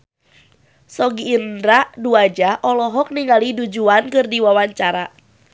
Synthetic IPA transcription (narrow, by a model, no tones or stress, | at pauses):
sɔɡiːndɾaʔduad͡ʒaʔɔlɔɦɔk̚niŋalidud͡ʒuankɨrdiwawaɲt͡ʃaɾa